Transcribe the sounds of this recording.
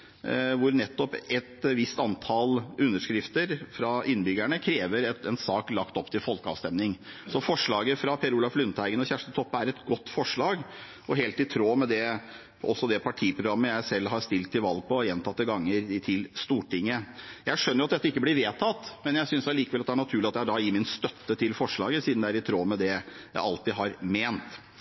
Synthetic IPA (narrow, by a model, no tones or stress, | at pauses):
ʋʊɾnɛt̪ːɔpɛt̪ʋɪst̪ɑnt̪ʰɑlʉnːəʂkɾɪft̪əɾfɾɑʔɪnːbʏɡæɳəkʰɾeːʋəɾɛt̪ɛnsɑːklɑkt̪ɔpːt̪ʰɪlfɔlkəɑ̰ʋst̪ɛmnɪŋsɔfɔʂɭɑːɡəfɾɑpʰeːɾuːlɑflʉnt̪hæɪɡənɔçæʂʈ̪ət̪ʰɔpːəæɾɛt̪ɡɔt̪ːfɔʂɭɑːɡ | ʔɔɦeːlt̪ɪt̪ʰɾoːmɛd̪ɛ | ɔsːɔd̪ɛpʰɑʈʰiːpʰɾʊɡɾɑmːəjæɪsɛlːɦɑɾst̪ɪlt̪ʰːɪlʋɑlɡ̚pʰɔjɛnt̪ʰɑt̪ːəɡɑŋːəɾt̪ʰɪlst̪uːʈɪŋːəjæɪʂœnːəɾjʊɑt̪d̪ɛt̪ːɪkːəb̪ɪɾʋeːt̪ʰɑt̪ːmɛnjæɪsʏnsd̪æɭiːkəʋɛlɑt̪d̪æɳɑt̪ʰʉːlɪɑt̪̚æɑɖɑɪmɪnst̪œt̪ːət̪ʰɪlfɔʂɭɑːɡəsiːd̪nd̪ææɾɪt̪ʰɾoːmɛd̪ɛjæɪɑlt̪ɪɦɑɾmeːnt̪